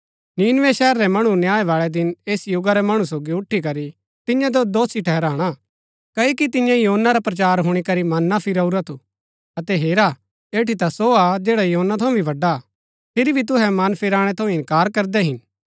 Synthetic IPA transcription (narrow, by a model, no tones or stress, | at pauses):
niːnʋɛʃɛːɾːɛmɐɽ̃unjaːɛʋaːɭɛd̪ɪneːsjʊɡaɾɛmɐɽ̃us̬oːɡiʊʈʰːik̬ɐɾi | t̪ɪ̃jãd͡ʒod̪oːsiʈʰɛːɾaːɽ̃a | kɐokit̪ɪ̃jãjɐɦoːnːaɾapɾɐt͡ʃaːɾɦʊɽ̃ikɐɾimɐnːapʰɪɾɐuɾat̪ʰu | ɐt̪ɛɦeːɾa | eːʈit̪asoad͡ʒeːɽajɐɦoːnːat̪ʰɐ̃ũbʱiʋɐɖa | pʰɪɾibʱit̪̬ʊɦɛmɐnpʰɪɾaːɽ̃ɛ̃t̪ʰɐ̃ɪ̃nkaːɾkɐɾd̪ɛɦɪn